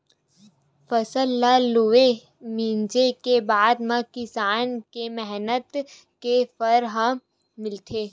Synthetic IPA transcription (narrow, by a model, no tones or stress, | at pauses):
fəsəlːalue | mĩnd͡ʒekebaːd̪mãkɪsaːnkemɛɦnət̪ | kepəɾɦə̃ | mɪlt̪ʰeː